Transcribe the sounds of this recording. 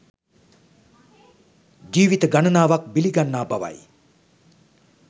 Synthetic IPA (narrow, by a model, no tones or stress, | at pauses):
d͡ʒiːʋit̪əɡanənaːʋak̚biliɡanːaːbaʋa̰j